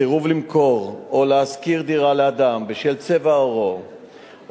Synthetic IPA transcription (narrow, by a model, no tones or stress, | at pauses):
iʁuvlimko̞ʁoleaskiʁd̪iʁalead̪ambeʃelt͡se̞vaoʁo